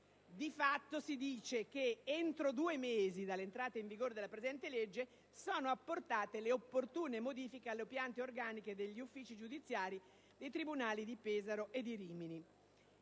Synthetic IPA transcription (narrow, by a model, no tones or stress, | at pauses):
d̪ifat̪ːosid̪iːt͡ʃekeent̪ɾod̪uːemeːzid̪alːent̪ɾaːt̪eiɱviɡoːɾed̪elːapɾezɛnt̪eled͡ʒːe | soːnoapːort̪aːt̪eleopːort̪uːnemod̪iːfikealːeopjant̪eorɡaːniked̪eʎːiufːiːt͡ʃid͡ʒud̪it̪sːjaːɾi | d̪ejt̪ɾibunaːlid̪ipeːzaɾoʔed̪iɾiːmini